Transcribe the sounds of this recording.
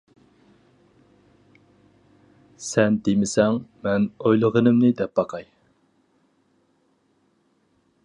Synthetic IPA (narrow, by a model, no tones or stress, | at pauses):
sɛnd̪emɪsɛŋmɛnojlˠəʁənɨmnɪd̪ɛp̚bɑqʰɑj